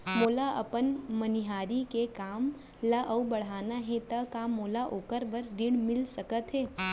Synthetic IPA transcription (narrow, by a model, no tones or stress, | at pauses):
moːlaɐ̰pənmɐniɦaːɾikekaːm | laʔɐubɐɽ̤aːnaɦɛ̃t̪ɐkaːmːoːlaʔoːkəɾbɐɾːɪɽmɪlsɐkət̪ɦɛː